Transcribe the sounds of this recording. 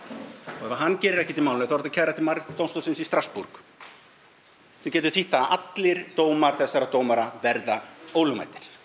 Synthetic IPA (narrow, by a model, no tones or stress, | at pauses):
ɔɛɾvaɦanːcɛːɾɪɾɛhcɪt̪ɪlmaw̪nʏθavɾɛt̪acʰaɣɾaɛht̪ʰɪlmaɾt̪owmst̪ɔsɪnsist̪ɾaspuɾk | θɛcɛːt̪ʏɾθiht̪θaðʔat̪lɪɾ̥t̪oːwmaɾ̥θɛsːaɾat̪oːwmaɾavɛɾðaoːwlʏma̰jt̪ɪɾ̥